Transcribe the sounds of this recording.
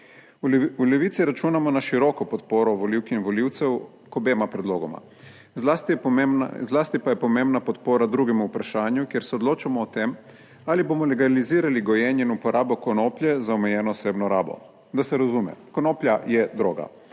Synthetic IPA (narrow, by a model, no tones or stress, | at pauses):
uleʋiːt̪siɾat͡ʃuːnamɔnaʃiɾokɔpot̪poːɾɔʋoliwkiinʋoliwt̪sɛw | kobeːmapɾɛd̪loːɡoma̰ | zlast̪izlaːst̪ipajɛpomembnapot̪poːɾad̪ɾuɡɛmuupɾaʃaːɲjukjeɾsɛod̪loːt͡ʃamɔːt̪em | alibomɔleɡaliziːɾaliɡojɛːɲjɛinupoɾaːbokonoːpljɛzaomejɛːnɔːseːbnɔɾa̰ːbɔ̰ | d̪asɛɾazumɛ̰konoːpljajɛd̪ɾoːɡa̰